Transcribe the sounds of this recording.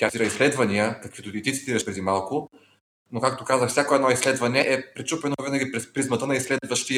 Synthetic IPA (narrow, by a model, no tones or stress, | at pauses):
t̪ʲjaiɾəislɛd̪vɐnijəkɐkvit̪ʊt̪it̪it̪si̥t̪iɾəʃpɾɛd̪imalˠkʊ | nokak̚t̪okazəxfsʲakoɛd̪nɔislɛd̪vɐnɛʔɛpɾɛt͡ʃupɛnoovinɐɡʲipɾɛspɾizmɐt̪ənɐislɛd̪vəʃt̪ijə